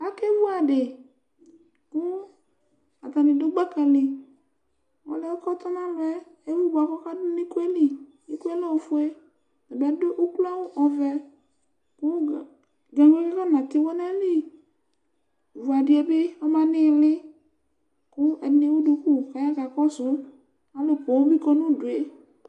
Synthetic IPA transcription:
a˦kɛ˦vu˦a˨dɪ˨ | kʊ˦ | a˨ta˨nɪ̃˨dʊ˦ɡ͡ba˦kɛ˧lɪ˨ | ɔ̰˨˦lɛ˦ɔ˦kɔ˦t̪ɔ˦nã˦lʊ˨ɛ˦ | e˦wu˦ba˨kɔ˦ka˦dʊ˦nɪ˦ku˦ɛ˦li˨ | i˦ku˦ɛ˦lɔ˦˨fu˦ɛ˦ | ɛ˨bɛ˨˦dʊ˦ʔʊ˦kla˦wʊ˦ʔɔ˨vɛ˧ | kʊ˦˨ | dʊ˨a˨ŋ˦e˦kɛ˦kɔ˦˨nã˨t̪ɪ˧wɔ˦nɛ˦li˦˨ | vu˨a˨dɪ˨˦ɛ˨˦bɪ˦ɔ˦mã˦nɪ˦˨lɪ˦ | kʊ˦ɛ̰˨nɪ˦wu˦du˧ku˦˨ka˨ja˦ɡa˨kɔ˦sʊ˦ | a˨˦lʊ˨kɔ˨o˦bi˦kɔ˧nʊ̃˦˨dʊ˨e˨˦

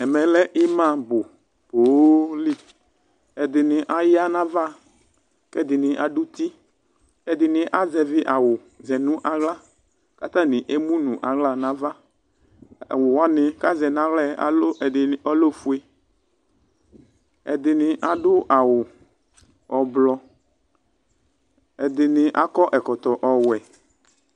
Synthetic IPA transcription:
ɛ˨mɛ˨lɛ˦ʔɪ˦mã˦bʊ˨ | b̥o˨˦li˦ | ɛ˨d̪ɪ˨nɪ̃˨ʔa˨ja˦nã˦va˦ | kɛ˦˨d̪ɪ˨nɪ̃˨ʔa˨ɖʊ˦t̪i˦ | ɛ˨d̪ɪ˨nɪ̃˨ʔa˦zɛ˨vɪ˦ʔa˨wʊ˨ | zɛ˨nũ˦ʔa˨ɣla˦ | ka˨t̪ã˦nɪ̃˨ʔe˦mũ˦nũ˨ʔa˨ɣla˦nã˦va˦˨ | wʊ˨wɔ˦nɪ̃˨ka˦zɛ˨nã˦ɣlɛ˦˨ɔ˦lo˦fu˦e˦ | ɛ̰˨d̪ɪ˨nɪ̃˨ʔa˨ɖʊ˦ʔa˨wʊ˨ | ɔ˨blɔ˨ | ɛ˨d̪ɪ˨nɪ̃˨ʔa˦kɔ˦ʔɛ˨kɔ˨t̪ɔ˨ʔɔ˨wɛ˨

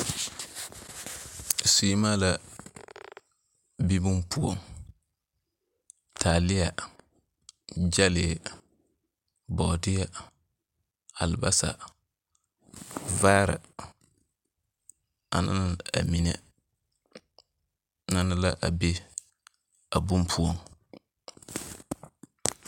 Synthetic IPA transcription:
si˨˦ma˦la˦ | bi˦bʊ˦mpʰu˦o̰˦ŋ | tʰaː˨lɪ˦ja˨ | d͡ʒa˦lɪ˨ | bɔ˨dɪ˦ja˦ | a˨lɪ˨ba˦sa̰˨ | vaː˦ɾɪ̰˨ | a̰˨na̰˦na˦˨a̰˨mi˨nɛ˨ | na˦na˦la˦ʔa˨be˦ | a˨bu˦mpʰu˦o˦ŋ

